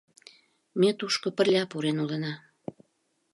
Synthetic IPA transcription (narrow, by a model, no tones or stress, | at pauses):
mʲet̪uʃkŏpə̆rlʲɑpuɾenulənɑ